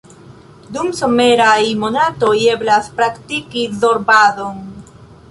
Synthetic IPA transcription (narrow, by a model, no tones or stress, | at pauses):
d̪umso̞me̞ɾajmo̞nato̞je̞blaspɾakt̪ikizo̞ɾbaðon